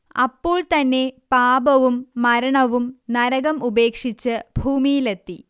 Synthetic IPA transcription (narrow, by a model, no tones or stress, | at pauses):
ɐpːoːɭt̪ɐnːe̞paːbɐʋumːɐɾɐɳɐʋumnɐɾɐɣɐmube̞ːkʂit͡ɕːɨbʱuːmijilet̪ːi